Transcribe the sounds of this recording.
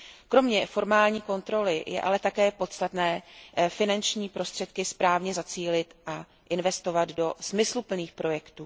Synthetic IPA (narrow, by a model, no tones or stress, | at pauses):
kɾo̞mɲɛfo̞ɾmaːlɲiːko̞nt̪ɾo̞lɪjɛ̰ʔa̰lɛt̪akɛːpo̞t̪st̪at̪nɛːfɪnant͡ʃɲiːpɾo̞st̪r̥ɛt̪kɪspɾaːvɲɛzat͡siːlɪt̪ʔa | ʔɪnvɛst̪o̞vad̪do̞smɪslupl̩niːxpɾo̞jɛkt̪uː